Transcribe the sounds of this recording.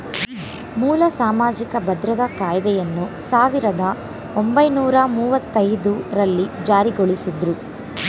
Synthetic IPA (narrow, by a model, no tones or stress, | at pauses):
muːlɐsaːmaːd͡ʒikɐbɐd̪ɾɐd̪ɐkaːjd̪ɛjɐnːusaːʋiɾɐd̪ɐ | ombɐjnuːɾɐmuːʋɐt̪ːɐjd̪uɾɐlːid͡ʒaːɾiɡoɭisid̪ɾu